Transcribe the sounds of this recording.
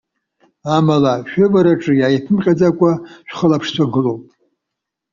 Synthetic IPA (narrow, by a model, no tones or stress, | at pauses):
amalaʃᶣavaɾaʈ͡ʂʼɨjaːjpʰɨmqʲʼad͡zakʷʼaʃᶣʷχəlapʰʂt͡ɕʷʰaɡɨlowpʼ